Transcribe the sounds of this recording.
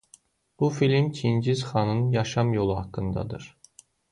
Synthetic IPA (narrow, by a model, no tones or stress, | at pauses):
b̥ufilʲimcʰind͡ʒizχɑnɯnjɑʃɑmjo̞lˠuhɑkʰːɯnd̪ɑ̰d̪ɯ̰ɾ̥